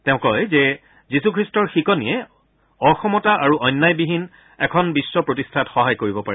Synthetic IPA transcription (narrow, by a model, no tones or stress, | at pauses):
tɛʊ̃kɔjzɛ | zisukʰɹistɔɹxikɔnḭjɛ | ɔxɔmɔtaʔaɹuʔɔjnːajbiɦin | ɛkʰɔnbisːɔpɹotistʰatxɔɦajkoɹibɔpaɹɛ